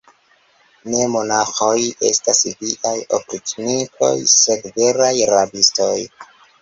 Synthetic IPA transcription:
ne̞mo̞naxo̞je̞̰stasliʔajo̰pɾitnikʰo̞̰jsekve̞ɾajɾabisto̞j

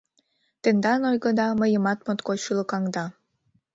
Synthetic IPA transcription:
t̪ə̆nd̪ɑnojɣɤ̆d̪ɑməjə̆mɑt̪mot̪kot͡ɕylɤ̆kɑŋd̪ɑ

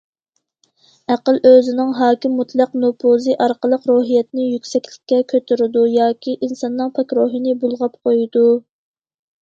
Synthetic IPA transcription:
æqəløzɪnɪŋɦɑːkʲimːut̪ʰlˠɑqnopʰozɨʔɑɾqəlˠəqɾoːɦijɛt̪nɪjykʲsɛkʲlɪkʲːɛkʲʰøt̪ʰyɾɪd̪ujɑːkʲiʔinsɑnːɨŋpʰɑkʲɾoɦɨnɪbulˠʁɑp̚qʰojd̪u

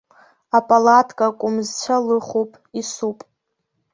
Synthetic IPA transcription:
apʼalatʰʼkʼakʷʼʊmzt͡ɕʷʰalɨχopʼisupʼ

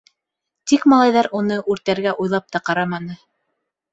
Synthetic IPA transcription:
t̪ikmɑlˠɑjðɑɾunɤʔʉɾt̪æɾɡæʔujlˠɑp̚t̪ɑqɑɾɑmɑnɤ

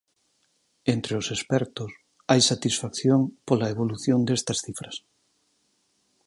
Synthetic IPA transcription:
ent̪ɾeosespɛɾt̪ʊs | ajsat̪isfakθjoŋpolaeβoluθjond̪est̪ɐsθifɾɐs

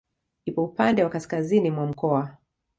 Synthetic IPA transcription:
nipɔupandɛwakaskazinimwam̩kɔa

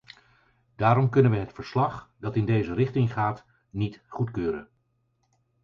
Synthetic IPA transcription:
d̥aːɾɔmkɵnənʋəɦətfəɹslɑχdɑtɪndejzərɪχtɪŋχaːt | nitχutkøːɾə̰n

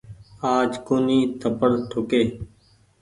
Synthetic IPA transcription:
aːd͡ʒkoːniːt̪ʰəpəɽʈʰʊkeː

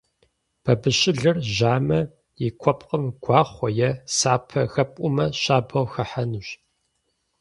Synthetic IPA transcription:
b̥ʰɐbɨɕɪɮɐrʒaːmɐ | jɪkʷʰɔpqəmɡ̥ʷɑːχʷɔjɛsaːpʰɐxɐpʼʊmɐɕaːbɐwxɐħanɨɕ

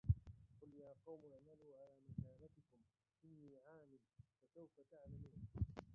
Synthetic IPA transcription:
qʊljaːqɑwmmaluːʕalaːmakaːlat̪ɪkʊm | ʔɪnːiːʕaːmɪːfasawfat̪aʕlamuːn

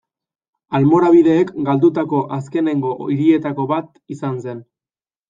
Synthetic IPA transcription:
almo̞ɾaβiðe̞ːkɡald̪ut̪ako̞ʔas̬ke̞ne̞ŋɡo̞iɾie̞t̪ako̞βat̪isanse̞n

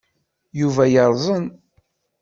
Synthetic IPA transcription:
juvæjəɾˤzˤən

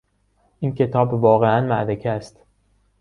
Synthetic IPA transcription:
ʔiːncʰe̞t̪ʰɒːbvɒːɣeʔænmæ̰ʔd̪ecʰææst̪

